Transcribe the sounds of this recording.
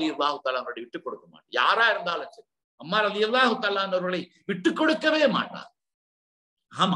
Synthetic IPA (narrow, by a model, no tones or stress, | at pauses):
ɪjɐlːaːɦʊt̪aːlaːɐnːɐɣɐɭɐɪʋɪʈːɯkːɔɽɯkːɐma̰ːʈːɐja̰ːɾaːɪɾɯnd̪aːlɐnt͡ʃɐ | ɐmːaːɾɐðɪjɐlˠːaːɦʊt̪aːlaːɐnːɐʋɐɾɣɐɭɐɪ | ʋɪʈːɯkːɔɽɯkːɐʋeːma̰ːʈːa̰ː | aːm